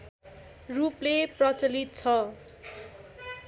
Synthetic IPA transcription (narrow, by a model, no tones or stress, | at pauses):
rupleprʌt͡sʌlit̪̚t͡sʰʌ